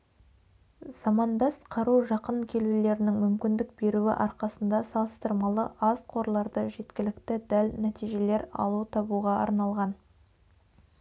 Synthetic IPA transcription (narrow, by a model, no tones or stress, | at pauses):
zɑmɑnd̪ɑsqʰɑɾuʒɑqəɴkʲʰe̞lule̞ɾɪnɪŋmʏmkʲɪnd̪ɪk̚b̥e̞ɾuɪ̰ʔɑɾqɑsənd̪ɑsɑlˠəst̪əɾmɑlˠəʔɑzqʰo̞ɾlˠɑɾd̪əʒe̞t̪kʲɪlɪkt̪ɪd̪ælnæt̪ijʒe̞le̞ɾɑ̰lˠut̪ʰɑbuʁɑɑ̰ɾnɑlˠʁɑn